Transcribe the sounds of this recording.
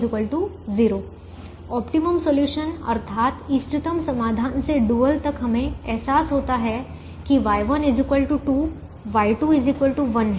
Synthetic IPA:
zɪkəlʈu | ziːɾoː | ɔːpʈiməmsoljuːʃənɐ̰ɾt̪ʰaːt̪ɪsʈɪt̪əmsɐmaːd̪ʱaːnseɖuːəlt̪ɐkɦɐmẽɛɦsaːsɦoːt̪aɦɛ | kiʋaːjʋɐnɪd͡ʒɪkʋəlʈuʈu | ʋaːiʈuɪzɪkʋəlʈuʋɐnɦ

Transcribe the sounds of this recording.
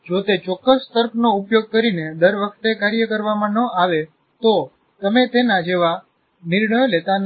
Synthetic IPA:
d͡ʒot̪et͡ʃɔkːəst̪əɾkʰnoupjoɡ̚kəɾined̪əɾʋəkʰt̪ekaɾjəkəɾʋamãnəaʋe | t̪o | t̪əmet̪enad͡ʒeʋa | nɪɾɳəjlet̪an

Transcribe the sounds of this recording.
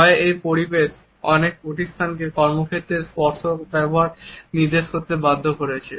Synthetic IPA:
ɔeejpoɾibeʃ | ɔnek̚poʈist̪ʰank̬ekɔɾmokʰet̪ːɾeɾspɔɾʃobɛboɦaɾniɾd̪eʃkoɾt̪ːebad̪ʱːokoɾet͡ɕʰe

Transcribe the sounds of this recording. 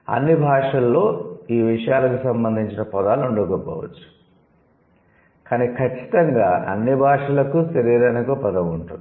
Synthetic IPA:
ɐ̰nːibʱaːʂɐlːo̞ːiːʋiʂɐjaːlɐkisɐmbɐnd̪ʱiɲt͡ʃinɐpɐd̪aːluuɳɖɐɡoːpɔ̰ːʋɐ̰t͡ʃːu̥ | kaːnikʰɐt͡ʃːi̥t̪ɐŋɡaːʔɐ̰nːibʱaːʂɐlɐkusɐɾiːɾɐnikoːpɐd̪ɐʋuɳʈund̪i

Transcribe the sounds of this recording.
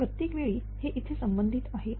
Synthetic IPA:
ɾət̪ːikʋeɭiː | heʔit̪ʰesəmbənd̪ʱit̪aɦe

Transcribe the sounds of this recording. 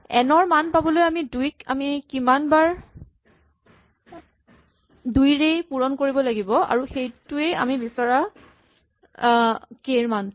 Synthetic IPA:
ɛnɔɹmanpabɔlojamidujka̰mikimanbaɹ | dujɹejpuɹɔnkoɹibɔlaɡibɔa̰ɹuxejtuea̰mibisɔɹa | keɹman

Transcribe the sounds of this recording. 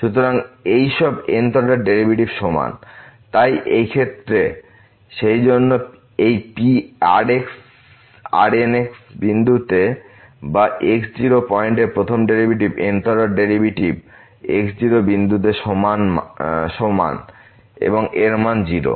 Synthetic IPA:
ʃut̪oɾaŋejʃɔbent̪oɖaɖeɾibʱiʈibʃoma̰nt̪ajʔejkʰet̪ːɾe | ʃejd͡ʑonːo | ejpia̰ɾeks | a̰ɾeneksbind̪ut̪e | baʔeksd͡ʑiɾopɔeɳʈeɾpɾot̪ʰomɖeɾibiʈibent̪oɖaɖeɾibiʈib | ḛksd͡ʑiɾobind̪ut̪̬eʃomanʃoma̰n | ḛboŋeɾmand͡ʑiɾo̰

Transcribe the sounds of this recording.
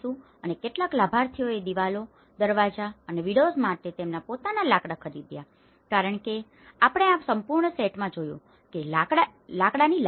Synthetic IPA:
ũ | ənekeʈlaklabʱaɾt̪ʰioed̪iʋalo | d̪əɾʋad͡ʒaəneʋiɽosmaʈet̪emnapot̪analakɽakʰəɾid̪ja | kaɾəɳ̃ke | apəɽ̃eapsəmpuɾɳəseʈmãd͡ʒojṵ̃ | kelaalakɽanil

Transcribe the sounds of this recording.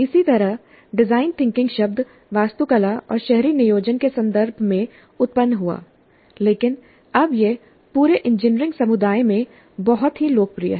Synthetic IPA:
ɪsit̪ɐɾəɦ | ɖɪzaːɪnt̪ʰɪ̃ŋkɪ̃ŋɡʃɐb̚d̪ʱ | ʋaːst̪ukɐlaʔɔ̰ːɾʃɛɦɾinɪjoːd͡ʒənkesɐ̃nd̪əɾbʱmẽ | ʊt̪̚pənːɦua̰ː | leːkɪn | ɐbje | puːɾeʔɪ̃nd͡ʒɪnɾɪ̃ŋɡsɐmʊd̪aːjmẽ | bɔɦʊt̪ɦiloːk̚pɾijə̰ɦɛ

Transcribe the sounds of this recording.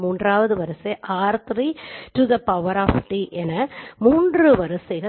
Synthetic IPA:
muːndraːʋɐðɯʋɐɾɐseʔaːɾt̪ɾiʈuðɐpɐʊʋɐɾaːfʈiʔɛnɐmuːndrɯʋɐɾɐseɣɐ

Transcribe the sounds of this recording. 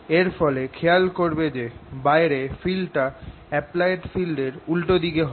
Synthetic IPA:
eɾfɔlekʰejalkoɾbed͡ʑebajɾefilʈa | ɛplajeʈfilɖeɾulʈod̪ikeɦɔ

